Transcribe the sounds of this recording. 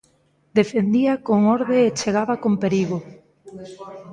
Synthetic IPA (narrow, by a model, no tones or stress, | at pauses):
d̪efend̪iakoŋɔɾðeːt͡ʃeɣ̞aβakompeɾiɣo